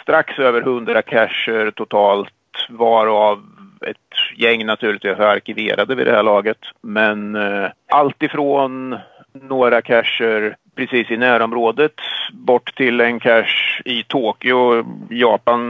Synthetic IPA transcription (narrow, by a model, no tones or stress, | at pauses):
st̪ɾaksøːvəɾhɵnd̪ɾakʰæʂːəɾt̪ʰʊt̪ʰɑːlt̪vaɾavɛ̰t̪jɛŋːnat̪ʰʉːɭɪt̪viːsaɾkɪvḛːɾʔad̪əvɪ̰d̪ɛ̰hæːɭɑːɡət̪mɛnʔalt̪ɪfɾoːnː | oːɾakʰæʂːəɾpʰɾɛsiːsɪnæːɾɔmɾoːd̪ət̪bɔʈːt̪ʰɪlɛnkʰæʂɪt̪ʰoːkɪʊjɑːpan